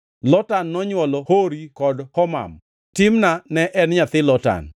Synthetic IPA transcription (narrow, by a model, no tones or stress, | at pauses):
lɔtanːɔɲwɔlɔhoɾikɔdhɔma̰m | tɪmnanɛʔɛnɲat̪ɪlɔta̰n